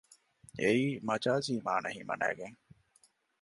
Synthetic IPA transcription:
eiːmɐt͡ʃaːziːmaːnɐɦimɐ̰næ̰ːɡeŋ

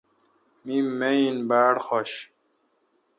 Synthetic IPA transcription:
mimeinbaːɽxoɕ

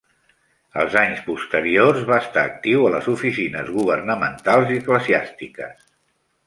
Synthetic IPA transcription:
əlˠzaɲspust̪əɾiorzβaəst̪aːk̚t̪iwələzufisinəzɣuβərnəmənt̪alˠziəkləziast̪ikəs

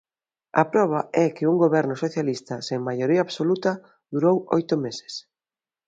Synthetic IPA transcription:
ɐ̰pɾɔβ̞aɛkɪuŋɡoβɛɾnʊsoθjalist̪ɐseŋmajoɾiaːβsolut̪ɐ | ðuɾowo̰jt̪ʊmese̥s

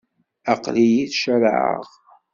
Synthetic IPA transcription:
ɑqlijiθʃəɾʕə̰ʁ

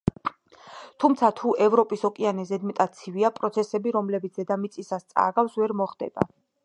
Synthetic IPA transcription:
t̪ʰumt̪sʰat̪ʰuʔɛvɾɔpʼisɔkʼianɛzɛd̪mɛt̪ʼat̪sʰiviapʼɾɔt̪sʰɛsɛbiɾɔmlɛbit̪sʰz̥ɛd̪amit̪sʼisast̪sʼa̰ɡafsvɛɾmɔχd̪ɛ̰b̥a̰

